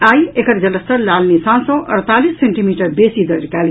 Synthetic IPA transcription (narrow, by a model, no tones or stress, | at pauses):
ajekəɾd͡ʒələst̪əɾlalnisãsɔ̃ʔə̰ɾt̪alisːeɳʈimiːʈəɾbesid̪əɾkal